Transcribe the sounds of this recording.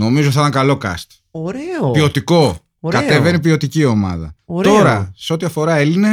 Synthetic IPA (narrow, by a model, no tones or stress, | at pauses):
no̞mizoθɐt̪ɐŋkɐlo̞kɐ̰st̪ | oɾepio̞t̪iko̞ | kɐt̪e̞venipio̞t̪icio̞mɐ̰ðɐ̰o̞ɾɐse̞o̞t̪iɐfo̞ɾɐe̞line